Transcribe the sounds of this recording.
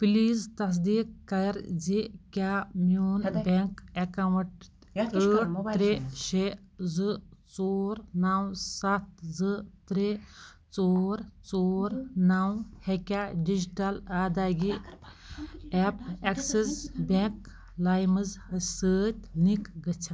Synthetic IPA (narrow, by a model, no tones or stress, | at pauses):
piliːzt̪ɐs̬d̪iːkːɐjɾzikʲamuːnbʲeŋkekɐwʈ | əːɾeʃezɨt͡soːɾnawsɐt̪̚zɨt̪ɾe | t͡soːɾt͡soːɾnawhekʲaɖid͡ʒiʈɐlaːd̪aːɡi | ɛpeksesbʲeŋk | lajmɨzɨsəːt̪̚ʲnikɡɐt͡ʃʰa